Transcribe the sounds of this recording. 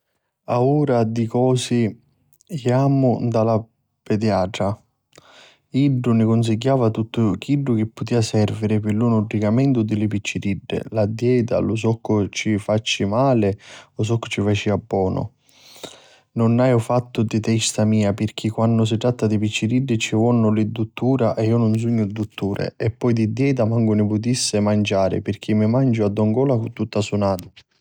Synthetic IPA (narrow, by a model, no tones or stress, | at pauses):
auːɾad̪ikɔːsɪ | aːmʊd̪ala | pɛd̪jaːʈɾa | iɖːʊnɪkʊns̬iɟːaːvat̪ut̪ːʊk̟ʰiɖːʊk̟ɪpːʊt̪iːasɛrviɾɪpɪlunʊɖːikamɛnt̪ʊd̪ɪlɪpit͡ʃːiɾiɖːɪ̰lad̪jɛːt̪a̰lʊs̬ɔkːʊt͡ʃifat͡ʃːɪmaːlɪʊs̬ɔkːʊ̥t͡ʃːifat͡ʃːiabːɔːnʊ̰ | nʊnːajʊfat̪ːʊd̪ɪt̪ɛst̪amiːapɪrk̟ikːwanːʊs̬ɪt̪ɾat̪ːad̪ipit͡ʃːiɾiɖːɪt͡ʃivɔnːʊlɪd̪ːut̪ːuːɾaʔɛiːʊnʊns̬uɲːʊd̪ːut̪ːuːɾɪ̰ɛpːɔjd̪id̪jɛːt̪̬amaŋɡʊnɪpʊt̪̬isːɪmand͡ʒaːɾɪ̰pɪrk̟ʰimːɪmand͡ʒʊad̪ːɔŋɡɔːlakʊt̪ːut̪ːasunaːt̪ʊ